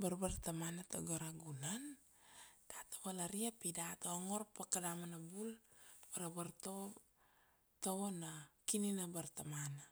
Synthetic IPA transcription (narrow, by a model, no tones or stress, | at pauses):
baɾbart̪amanatoɡaɾaɡunan | d̥atḁbalaɾiapidataoŋo̞ɾpakadamanabulbaɾabaɾto | taonakininabaɾt̪amana